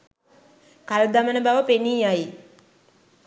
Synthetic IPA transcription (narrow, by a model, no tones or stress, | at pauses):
kald̪amənəbaʋəpeniːjaj